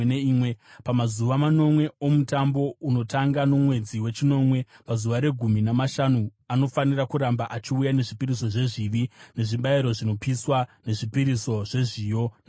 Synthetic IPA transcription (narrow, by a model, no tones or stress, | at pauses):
neiːmwepamazuʋamano̞mwe̞o̞mutambo̞uno̞taŋɡano̞mwe̞d͡ziwe̞t͡ʃino̞mwe̞pazuʋaɾe̞ɡʱuminamaʃanu | ano̞fanirakuɾambaʔat͡ʃiujane̞ʐipiɾiso̞ʐe̞ʐiʋine̞ʐiɓaiɾo̞ʐino̞piswane̞ʐipiɾiso̞ʐ̥e̞ʐijo̞na